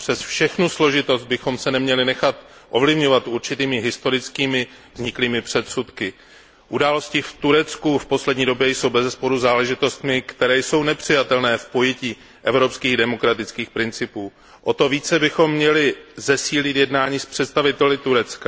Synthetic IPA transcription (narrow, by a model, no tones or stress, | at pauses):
pr̥ɛsfʃɛxnuslo̞ʒɪt̪o̞zd̪̚bɪxo̞msɛnɛmɲɛlɪnɛxat̪ʔo̞vlɪvɲo̞vat̪ʔuɾt͡ʃɪt̪iːmɪɦɪst̪o̞ɾɪt͡skiːmɪ | vzɲɪkliːmɪpr̝̥ɛt̪sut̪kɪ | ʔudaːlo̞scɪft̪uɾɛt͡skufpo̞slɛdɲiːdo̞bjɛjso̞wbɛzɛspo̞ɾuzaːlɛʒɪt̪o̞st̪mɪkt̪ɛɾɛːjso̞wnɛpr̥ɪjat̪ɛlnɛːfpo̞jɛciː | ʔɛvɾo̞pskiːɣdɛmo̞kɾat̪ɪt͡skiːxpɾɪnt͡sɪpuː | ʔo̞t̪o̞viːt͡sɛbɪxo̞mːɲɛlɪzɛsiːlɪt̪jɛdnaːɲiːspr̥ɛt̪st̪avɪt̪ɛlɪt̪uɾɛt͡ska